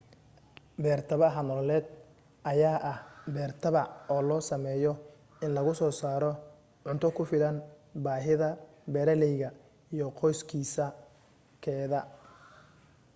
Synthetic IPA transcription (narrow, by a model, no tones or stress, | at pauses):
bɛːrt̪ʰɐβɐɦɐnɔllɛːd̪̚ | ʔɐjaːʔɐhbɛːrt̪ʰɐβɐɔːlɔːsɐmɛːjɔ | ɪnlɐɣʊsɔːsaːɾɔ | ʕʊnt̪ʰɔkʰʊfɪlɐn | baːɦɪðɐ | bɛɾɛlɛjɣɐ | ijɔqʰɔjskʰiːsɐ | kʰɛːðɐ